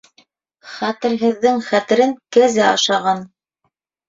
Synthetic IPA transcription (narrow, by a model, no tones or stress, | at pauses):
χæt̪ɘ̆ɾɦɘ̆ðːɘŋχæt̪ɘ̆ɾɘŋkæzæɑ̰ʃɑʁɑn